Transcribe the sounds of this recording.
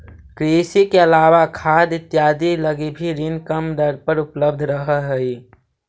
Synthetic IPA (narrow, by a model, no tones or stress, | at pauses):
kɾeːsikeəlaːwakʰaːd̪ɪt̪ːjaːd̪iləɡebʱiɾinkəmd̪əɾpəɾʊpləb̚d̪ʱɾəɦəɦəi